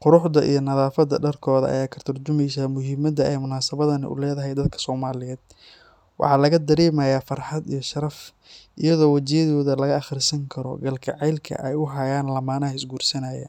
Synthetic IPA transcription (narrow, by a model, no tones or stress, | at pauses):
qʊɾʊħd̪ɐʔḭjɞnɐðaːfɐd̪ɐɖɐrkʰɔːðɐɐ̰jaːkʰɐt̪ʰʊrt͡ʃʊmɛjsaːmʊɦɪmɐd̪ɐɛjmʊnaːsɐβɐðɐnɪ̰ʔʊ̰lɛːðɐɦɛjd̪ɐd̪kʰɐ̥sɔːmaːlɪjɛːd̪̥̚ | wɑ̰ħɑːlɐɣɐd̪ɐɾiːmɐjaːfɐrħɑd̪ijɞʃɐɾɐf | ʔijɐðɔːwɐt͡ʃɛjɐðɔːðɐlɐɣɐːχrɪsɐŋkʰɐɾɔ̰ɡɐlkʰɐʕɛjlkʰɐ̰ʔɛjʊɦɐjaːnlɐmaːnɐɪsɡuːrsɐnaːjɐ̰